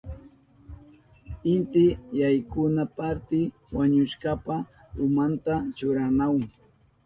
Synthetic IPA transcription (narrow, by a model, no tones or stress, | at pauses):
ɪnt̪ɪjajkʊnapaɾt̪ɪ | waɲʊʃkapa | ʊmant̪at͡ʃʊɾanaw